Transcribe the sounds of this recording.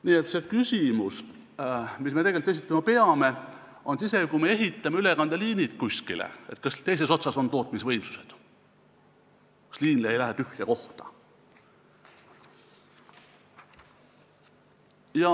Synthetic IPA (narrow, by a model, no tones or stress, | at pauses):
niːet̪se̞kysʲimus | misme̞t̪e̞ɡe̞lt̪es̬it̪ːˑɑmɑpe̞ɑme̞ | o̞nsise̞kumee̞ɦit̪ːˑɑmeylekɑnd̪̥eliːnit̪kusʲkilḛet̪̚ːˑkɑst̪e̞jse̞so̞t̪sɑso̞nt̪o̞ːt̪̚ˑmisvɤjmsu̥se̞̥d̪̥ | kɑ̥sliːnleejlæɦet̪yhjɑko̞ht̪ɑ̥ | jɑ